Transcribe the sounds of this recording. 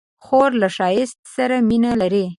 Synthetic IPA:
xoɾlaʃɑjɪst̪̚saɾaminalaɾi

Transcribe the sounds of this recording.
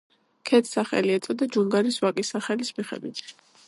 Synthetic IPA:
kʰɛt̪ʰsaχɛ̰liɛt̪sʼɔd̪ad͡ʒuŋɡaɾiswakʼisaχɛlismiχɛ̰d̪wit̪ʰ

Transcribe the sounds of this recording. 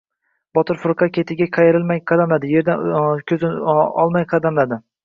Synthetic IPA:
bɒt̪ʰɪɾfʊɾqʰɑkʲʰe̞t̪ʰɪɡʲaqʰɑjeɾɪlmajqʰɑd̪amlad̪ɪje̞ɾd̪ankʲʰɵzɪɒ̰lˠmajqʰɑd̪amlad̪ɪ

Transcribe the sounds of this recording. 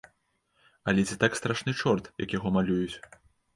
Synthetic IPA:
ɐlʲɛt͡sʲit̪akst̪ɾaʂnɨt͡ʂɔrt̪jɐ̰kjaɣɔmalʲujut͡sʲ

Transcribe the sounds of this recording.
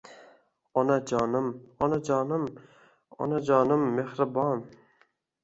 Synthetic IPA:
ɒnad͡ʒɒnɪmɒnad͡ʒɒːnɪm | ɒ̰nad͡ʒɒːnɪmːehɾɪbɒn

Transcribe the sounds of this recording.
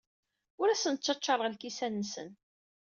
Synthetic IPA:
ʊɾæsənt͡ʃːɑt͡ʃːɑɾˤəʁlkisænːsə̰n

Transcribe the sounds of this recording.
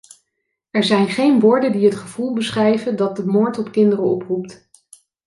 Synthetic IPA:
ɛɹzɛjnχejnʋʊːɹdəndiɦətχəv̥ulˠbəsχrɛjvəndɑt̚dəmoːɹtɔpkɪndərəɔ̰prupt

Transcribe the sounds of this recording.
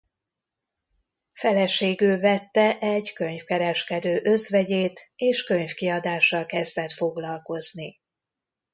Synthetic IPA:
fɛlɛʃeːɡyːvɛt̪ːɛʔɛɟkø̞ɲfkɛɾɛʃkɛd̪øːʔø̞zvɛɟeːt̪eːʃkø̞ɲfkiɒd̪aːʃːɒlkɛzd̪ɛt̪fo̞ɡlɒlko̞zni

